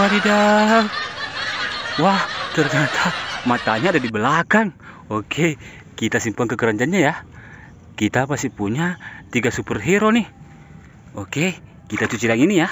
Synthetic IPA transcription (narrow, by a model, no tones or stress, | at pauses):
aɾida | waht̪ərɲat̪ʰamat̪aɲadadibəlakaŋɔkʰe | kit̪asimpaŋkəkəɾaɲd͡ʒanɲaja | kit̪apasipuɲat̪iɡasupɛrɦɛɾoni | ɔke | kit̪at͡ʃut͡ʃilaŋinija